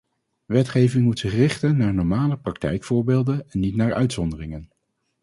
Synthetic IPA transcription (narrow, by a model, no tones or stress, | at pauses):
ʋɛtχejvɪŋmutsɪχrɪχtənːaːɹnɔɹmaːləprɑk̚tɛ̰jkfʊːɹbeːlˠdənɛnːitnaːɹœ̰ɥtsɔndərɪŋən